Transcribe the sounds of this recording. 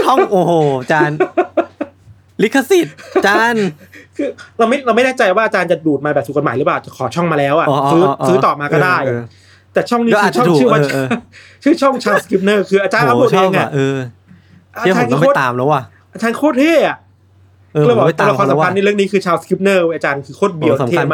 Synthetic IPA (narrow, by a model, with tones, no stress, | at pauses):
t͡ɕʰɔ˥˩ʔoː˧˩hoː˨˩t͡ɕaː˧n | li˦˥kʰːa˧˥si˨˩t̪t͡ɕaː˧nkʰɯː˧ɾa˧wma˥˩jɾa˧wma˥˩jnaː˥˩t͡ɕa˧jwaː˥˩ʔaː˧t͡ɕaː˧nt͡ɕa˨˩duː˨˩t̪̚maː˧bɛː˨˩p̚t̪ʰːko˧nmːaː˨˩˦lɯ˦˥paː˨˩˨t͡ɕa˨˩kʰɔː˩˦t͡ɕʰɔ˥˩ŋmaː˧lɛː˦˥wʔa˨˩ʔːsɯː˦˥sɯː˦˥˧t̪ɔː˨˩maː˧kɔː˥˩daː˩˥˩j | t̪ɛː˨˩t͡ɕʰɔ˥˩ŋniː˦˥ɯː˧˨˩t͡ɕʰɔ˥˩˧t͡ɕɯː˥˩˨waː˥˧t͡ɕʰɯː˥˩t͡ɕʰɔ˥˩ŋt͡ɕʰaː˧wski˦˥p̚nɤː˥˩kʰɯː˧ʔa˧t͡ɕaː˧na˧˩du˨˩ʔe˧ŋʔa˧˩ʔɤː˧ | ʔa˧˥t͡ɕaː˧nkʰoː˥˩aː˨mla˦wa˧˩ | ʔaː˧t͡ɕaː˧nkʰoː˥˩t̪̚ʰeː˥˩ʔa˨˩˧ | bɔː˨˩t̪ːlkɔː˧˩a˨˦a˧ni˥˩ɾɯ˥˩əŋniː˦˥kʰɯː˧t͡ɕʰaː˧wski˦˥p̚nɤː˥˩u˥˩ʔaː˧t͡ɕaː˧nkʰɯː˧kʰoː˥˩t̪̚bi˧ə˧w̪ʰeː˥˩˧